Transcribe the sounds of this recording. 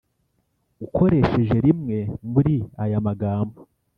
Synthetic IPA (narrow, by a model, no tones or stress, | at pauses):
ukʰo̞ɾe̞ʃe̞ʒe̞ɾimŋe̞muɾiajamaɡaːmbo